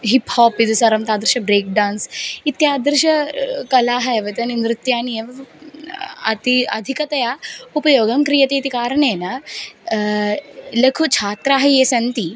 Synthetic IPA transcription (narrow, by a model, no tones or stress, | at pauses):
ɦiphɔːpid̪ɐsɐɾɐmt̪aːd̪ɾʃɐbɾeːk̚ɖaːnsit̪ːjaːd̪ɾʃɐkɐlaːɦɐjʋɐt̪ɐninɾɪt̪jaːnie | ɐ̰t̪iɐ̰d̪ʱikɐt̪ɐjaːupɐjoːɡɐmkɾijɐt̪eit̪ikaːɾɳeːnɐ | lɐkʰut͡ʃʰaːt̪ɾaːɦɐesɐnt̪iː